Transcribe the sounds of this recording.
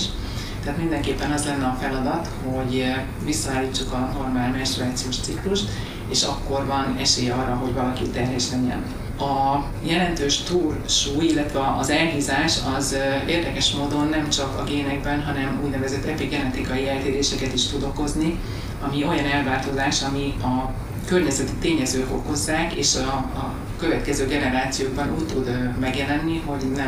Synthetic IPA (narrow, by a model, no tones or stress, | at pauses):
ʃ | t̪ɛaːt̪mind̪ɛŋkeːpːɛnɒzlɛnːɛɒfɛlɒd̪ɒt̪ho̞ɟ | visːɒaːlːiːt͡ʃːukɒno̞rmaːlmɛʃt̪ruaːt̪sioːʃt̪sikluʃt̪ | eːʃɒ̰kːo̞rvɒnɛʃeːjɛɒrːɒɦo̞ɟvɒlɒkit̪ɛrɦɛʃlɛɲːɛ̰n | ɒ | jɛlɛnt̪øːʃt̪uːrʃuːjilːɛt̪ʋɛːzɛlɦiːzaːʃɒzeːrd̪ɛkɛʃmoːd̪o̞nːɛmt͡ʃɒkɒ̰ɡeːnɛɡ̚bɛnɦɒnɛmuːɟnɛvɛzɛt̪ːɛpiɡɡɛnɛt̪ikɒjiɛlt̪eːɾeːʃɛkɛt̪iʃt̪ud̪o̞ko̞zni | ɒmio̞jɒnɛlvaːt̪ozaːʃɒmiɒ | kø̞rɲɛzɛt̪i̥t̪eːɲɛzøːko̞ko̞zːaːkeːʃɒ | kø̞vɛt̪kɛzøːɡɛnɛɾaːt̪sijoːɡ̚bɒnuːct̪ːud̪mɛɡjɛlɛnːiɦo̞nɛ